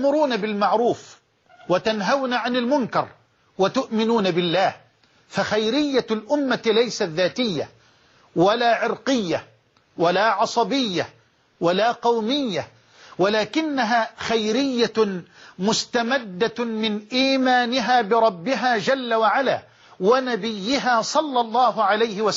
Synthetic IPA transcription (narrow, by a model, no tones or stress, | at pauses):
mʊɾuːnabɪlmaʕɾuːf | wat̪anɦawnaʕanɪlmʊnkɑɾˤ | wat̪ʊʔmɪnuːnabɪlːaːh | faxajɾɪjːalʔʊmːalajsat̪ðaːt̪ɪjːa̰ | walaːʕɪɾqɪjːa | walaːʕɑsˤɑbɪjːa | walaːqɑwmɪjːa | walaːkɪnːaɦaːxajɾɪjːa | mʊst̪amad̪ːamɪnʔiːmaːnɪɦaːbɪɾˤɑbːɪɦaːd͡ʒalːawaʕala̰ː | wanabɪjːɪɦaːsˤɑlːɑlˤːɑːɦʊʕalajhɪwa